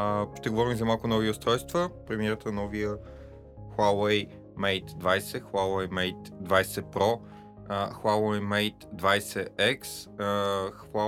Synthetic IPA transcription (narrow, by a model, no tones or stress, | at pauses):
ʃt̪ɛɡovɔɾimzɐmalˠkʊnɔviʊst̪ɾɔjst̪vəpɾɛmiɛɾət̪ənɔvijə | xwawɛj | mɛjt̪d̪vajsɛxalˠwɛjmɛjt̪d̪vajsɛpɾɔ | xalˠwɛjmɛjt̪d̪vajsɛɛks | xa